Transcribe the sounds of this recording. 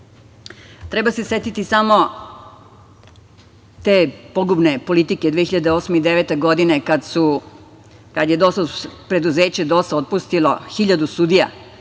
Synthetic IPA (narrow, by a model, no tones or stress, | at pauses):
t̪ɾebasese̞t̪it̪isamo̞ | t̪eːpoɡubne̞po̞lit̪ike̞d̪ʋexiʎad̪eo̞smeid̪eʋet̪e̞ɡo̞d̪inekad̪su | kad̪je̞d̪ost̪apɾe̞d̪uzeːt͡ɕe̞d̪o̞st̪aot̪̚pust̪iloxiʎad̪usud̪ija̰